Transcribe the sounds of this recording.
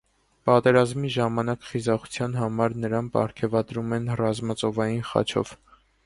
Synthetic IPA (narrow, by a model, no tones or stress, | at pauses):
pɑt̪ɛɾɑzmiʒɑmɑnɑkχizɑχu̥t͡sʰjɑn̪ɦɑmɑɾnəɾɑmpɑ̰ɾkʰɛvɑd̪ɾumɛnrɑzmɑt͡sɔvɑjinχɑ̰t͡ʃʰɔ̰v